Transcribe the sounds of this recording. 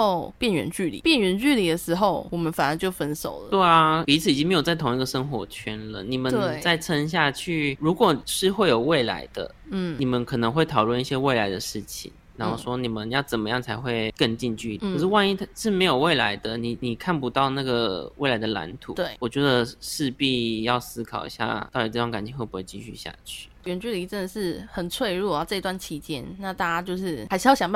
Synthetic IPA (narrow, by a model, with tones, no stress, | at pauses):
o˥˧pjɛ˥˩nɥɛ̰˧˥nt͡ɕy˥˩lḭ˨˩pjɛ˥˩nɥɛ˧˥nt͡ɕy˥˩li˨˩d̪ə˩ʂɻ̩˧˥xo˥˧˩ʊwɔ˨˩mə˦nfa˨˩nə˨˥nt͡ɕjo˥˩ʊfə˦˥nso̰˨˩ʊlə˦t̪we˥˩ɪɐ˧pi˧˥t͡sʰɹ̩˨˩i˨˩i˥ŋme˧˥ɪjo˨˩t͡sa˥˩ɪt̪ʰʊ˧˥ŋ˥i˧˥ɡə˨˩ʂə˥ŋxwɔ̰˧˥t͡ɕʰɛ˥nlə̰˨ni˨˩mə˦nt͡sa˥˩ɪʈ͡ʂʰə˥ŋɕ̬ja˥˧t͡ɕʰy˥˧ɻu˧˥kwɔ˨˩ʂɻ̩˥˧xwe˥˩ɪjo˨˩ʊwe˥˩ɪla̰˧˥ɪd̪̥ə̰˧˥˩ | ni˨˩mə˦nkʰɤ˨˩nɤ˧˦ŋxwe˥˩ɪt̪ʰɑ˨˩ʊlwə˥˧ni˥˩ɕjɛ˥we˥˩ɪla˧˥ɪd̪ə˧ʂɻ̩˥˩t͡ɕʰḭ˨˩˦ŋɻa˧˥nxo˥˧ʊʂwɔ˥ni˨˩mə˦njɑ˥˩ʊt͡sə˨˩mə˦jɑ˥˩ŋt͡sʰa˧˥ɪxwe˥˧ɪkə˥˧ŋt͡ɕi˥˧nt͡ɕy˥˧kʰə˨˩ʂɻ̩˥˧wa˥˧ni˥˩˥ʂɻ̩˥˩me˧˥ɪjo˨˩ʊwe˥˩ɪla˧˥ɪd̪ə˧ni˨˩ni˨˩kʰa˥˩npu˧t̪ɑ˥˧ʊna˥˩ɡə˩we˥˩ɪla˧˥ɪd̪ə˨la̰˧˥nt̪ʰṵ˨˩twe˥˩ɪwɔ˨˩t͡ɕɥɛ˧˥d̪ə˨ʂɻ̩˥˧pi˥˧jɑ˥˧ʊsɹ̩˥kʰɑ˨˩ʊḭ˧˩ɕja̰˥˧˩t̪ɑ˥˩ʊt̪i˨˩ʈ͡ʂɤ˥˧˩wŋka˨˩nt͡ɕʰi˧˦xwe˥˩ɪpu˧˥xt͡ɕi˥˧ɕy̰˥˧ɕja̰˥˧t͡ɕʰy̥˥˩ɥɛ˧˥nt͡ɕy˥˩lə˨i˧˥ʈ͡ʂə˥˩nd̪ə˩ʂɻ̩˥˩xə˨˩nt͡sʰwe˥˧ɪɻu˥˩ɐ˨˩ʈ͡ʂɤ˥˧i˧t̪wa˥˩nt͡ɕʰi˧˥t͡ɕjɛ˦˥nna˥˧t̪a˥˩t͡ɕa˥t͡ɕjo˥˧ʊʂɻ̩˥˩xa˧˥ʂ̩˥˧jɑ˥˩jɑ˨ŋ˧a˥˧